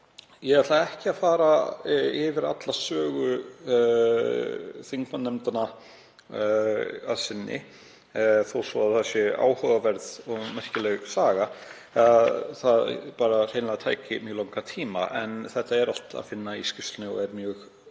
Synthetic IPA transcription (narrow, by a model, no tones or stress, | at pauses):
jɛɣat̪laðɛhcɪafaːɾaɪvɪɾa̰t̪lasœːɣʏ | θiŋkvanːɛmt̪ana | aðsɪnːɪ̰ | θowsɔaðθasɛa̰ːwhœɣavɛɾðɔɣmɛr̥cɪlɛɣsaːɣa | ðθaðpaːɾar̥ejnlaɣat̪ʰaːjcɪmjœːɣlawŋkat̪ʰiːma̰ʔɛnθɛht̪ːaɛɾal̥t̪a̰ðfɪnːaiscɪfst̪nɪɔ̰ɣɛɾmjœːɣ